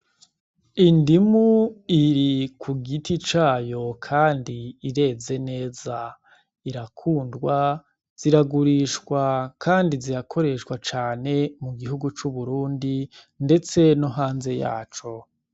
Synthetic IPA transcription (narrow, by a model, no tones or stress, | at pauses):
indimuiɾikʰuɡitit͡ʃaːjo̞kʰaːndiːɾe̞ːze̞ne̞ːza | iɾakʰuːndɡwa | z̥iɾaɡuɾiʃkwakʰaːndiziɾakʰo̞ɾe̞ʃwat͡ʃaːne̞muɡiɦuɡut͡ʃuβuɾuːndi | nde̞t͡se̞noɦaːnze̞ja̰ːt͡ʃo̞